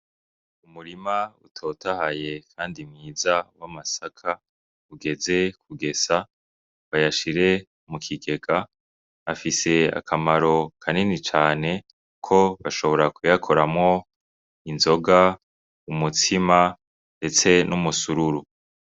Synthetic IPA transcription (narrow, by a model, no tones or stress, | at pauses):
umuɾimaṵtʰo̞ːtʰahaje̞kʰaːndimŋiːzawamasakʰa | uɡe̞ze̞k̚ʰuɡe̞sa | βajaʃiɾe̞ | mukʰiɡe̞ɡaː | fise̞a̰kʰamaɾo̞kʰaninit͡ʃaːne̞ | kʰo̞βaʃo̞βo̞ɾakujakʰo̞ɾamŋo̞ | inzo̞ɡa | umutʰima | nde̞t͡se̞nʔumusuɾuɾu